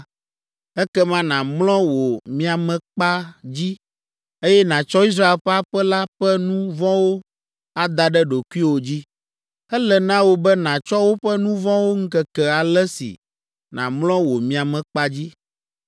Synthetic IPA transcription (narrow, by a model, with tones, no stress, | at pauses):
ɛ˦kɛ˦mã˦nã˨mlɔ̃˦wo˨mĩ˦a˨mɛ̃˨k͡pa˦d͡ʑi˦ | e˦jɛ˦nã˨t͡ʃɔ˦i˦s̬ɾa˦e˨ɸɛ˦a˦ɸɛ˦la˦ɸɛ˦nũ˦vɔ̃˦wo˦ | a˦d̪a˨ɖɛ˦ɖo˨ku˦i˦wo˨d͡ʑi˦ | ɛ˦lɛ˨nã˦wo˦bɛ˦nã˨t͡ʃɔ˦wo˦ɸɛ˦nũ˦vɔ̃˦wo˦ŋ̩˦kɛ˨kɛ˨a˨lɛ˦sḭ˨ | nã̰˨mlɔ̃˦wo˨mĩ˦a˨mɛ̃˨k͡pa˦d͡ʑi˦